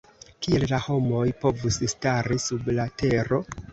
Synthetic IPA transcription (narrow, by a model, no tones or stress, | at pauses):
kie̞llaho̞mo̞jpo̞vusstaɾisublate̞ɾo̞